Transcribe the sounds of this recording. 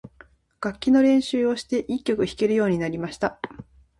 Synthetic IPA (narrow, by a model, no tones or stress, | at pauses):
ɡ̥akʲːino̞ɾẽ̞ɰ̃ɕɨːo̞ɕi̥t̪e̞ʔikʲːo̞kɯ̟çi̥ke̞ɾɯjo̞ːɲ̟inaɾʲimaɕi̥t̪a